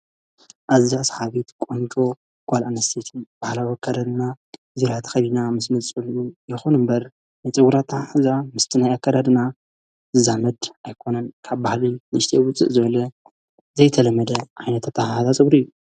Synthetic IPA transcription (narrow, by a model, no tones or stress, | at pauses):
ʔaziasħaβit̪kʼont͡ʃʼo̞ | ɡ̥ʷʼalʔanɐst̪ʰet̪ʰib̥ahlawiakʰːad̪ad̪na | ziɾat̪ʰxɐdinamɨsnɨt͡sʼulʔujɪxunɨmbɐɾ | najt͡sʼɨɡuɾat̪ʰːaħɨzamɨst̪ʰɨnajakːad̪ad̪ɨna | zɨzamɐd̪ʔajkʰo̞nɐnkʰaβbahlinɨʃt̪ʰewʊt͡sʼɨ̰ʔzɨβɐlɐ | zɐjt̪ʰɐlɐmɐd̪ɐʕajnɐt̪ʰat̪ʰːahaazat͡sʼɨbɾɨjːu